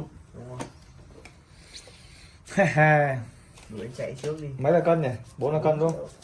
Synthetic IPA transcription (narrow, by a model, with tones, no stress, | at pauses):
a˧ | mɨ̰˧˩˨əjt͡ɕa̰˧˨jt͡ɕɨ˦˥ək̚ɗi˧ma˨˦jlaː˨˩kɔ˧nɲɛ˨˩ɓo˨˦nlaː˨˩kɔ˧nɗu˧˥ə˧ŋ͡m